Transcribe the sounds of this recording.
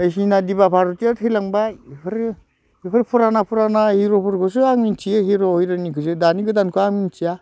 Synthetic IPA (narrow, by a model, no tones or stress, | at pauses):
ajsinadibapʰaɾutiatʰɯjlaŋbaipʰɯɾ | ipʰɯɾpʰuɾanapʰuɾanahiɾopʰuɾkʰɔs̬ɯaŋmintʰijaɦiɾoɦɔjɾɯnikʰɯzɯdaniɡɯdankʰɯaŋmintʰija